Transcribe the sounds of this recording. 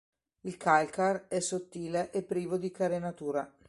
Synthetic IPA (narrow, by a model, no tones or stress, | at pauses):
ilkalkarɛsːot̪ːiːleʔepːɾiːvod̪ikaɾenat̪uːɾa